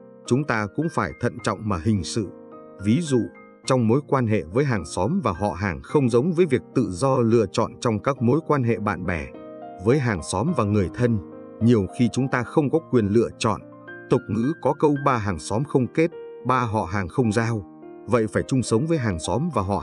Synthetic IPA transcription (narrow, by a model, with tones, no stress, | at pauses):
t͡ɕʊ˨˦ŋ͡mt̪aː˧kʊ̰˧˥ŋ͡mfaː˧˩jt̪ʰə̰˧˨nt͡ɕɔ̰˧˨wŋ͡mmaː˨˩hï˨˩ŋ̟sɨ̰˧˨ | vi˨˦zṵ˧˨ | t͡ɕɔ˧wŋ͡mmo˨˦jkwaː˧nɦḛ˧˨vəː˨˦jɦaː˨˩ŋsɔ˨˦mvaː˨˩ɦɔ̰˧˨ɦaː˨˩ŋxə˧wŋ͡mzə˨˦wŋ͡mvəː˨˦jvi˨˩ək̚t̪ɨ̰˧˨zɔ˧lɨ̰˧˨ət͡ɕɔ̰˧˨nt͡ɕɔ˧wŋ͡mkaː˦˥k̚mo˨˦jkwaː˧nɦḛ˧˨ɓa̰ː˧˨nɓɛ˧˩ | vəː˨˦jɦaː˨˩ŋsɔ˨˦mvaː˨˩ŋɨ˨˩əjt̪ʰə˧n | ɲi˨˩əwxi˧t͡ɕʊ˨˦ŋ͡mt̪aː˧xə˧wŋ͡mkɔ˨˦kwi˨˩ənlɨ̰˧˨ət͡ɕɔ̰˧˨n | t̪ʊ˨˩k͡p̚ŋɨ̰˧˥kɔ˨˦kə˧wɓaː˧ɦaː˨˩ŋsɔ˨˦mxə˧wŋ͡mke˦˥t̚ɓaː˧ɦɔ̰˧˨ɦaː˨˩ŋxə˧wŋ͡mzaː˧w | və̰˧˨jfaː˧˩jt͡ɕʊ˧ŋ͡msə˨˦wŋ͡mvəː˨˦jɦaː˨˩ŋsɔ˨˦mvaː˨˩ɦɔ̰˧˨